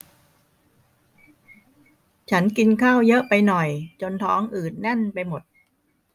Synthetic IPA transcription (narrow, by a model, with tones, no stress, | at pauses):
t͡ɕʰa˦˥nki˧nkʰaː˥˩wjɤ˦˥ʔpa˧jnɔ˨˩jt͡ɕo˧nt̪ʰɔ̰ː˦˥ŋʔɯː˨˩t̪̚nɛ˥˩npa˧jmo˨˩t̪̚